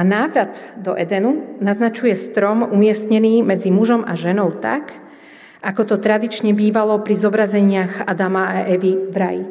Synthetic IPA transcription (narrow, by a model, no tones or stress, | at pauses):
anaːʋɾad̪d̪ɔʔɛd̪ɛnunaznat͡ʃujɛst̪ɾɔmumɪɛst̪ɲɛniːmɛd͡zimuʒɔma̰ʒɛnɔʊt̪a̰k | akɔt̪ɔt̪ɾad̪it͡ʃɲɛbiːʋalɔpɾizɔbɾazɛɲɪaɣa̰d̪amaaʔɛʋivɾajḭ